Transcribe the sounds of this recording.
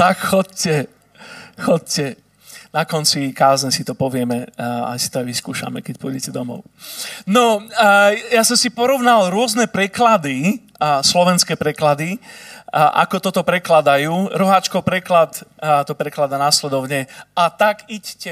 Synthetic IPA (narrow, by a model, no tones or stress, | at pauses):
t̪akxɔccɛ | xɔc̚cɛ | nakɔnt͡sikaːzɲɛsit̪ɔpɔʋɪɛmɛa̰sit̪ɔajʋiskuːʃa̰mɛkɛc̚pɔːjɟɛcɛd̪ɔmɔ̰ʊnɔ | jasɔmsipɔɾɔʋnalɾʊɔznɛpɾɛklad̪i | slɔʋɛnskɛːpɾɛklad̪i | ʔa̰kɔt̪ɔt̪ɔpɾɛklad̪ajuːɾɔɦaːt͡ʃkɔpɾɛklat̪t̪ɔpɾɛklad̪anaslɛd̪ɔʊɲɛat̪akiɟcɛ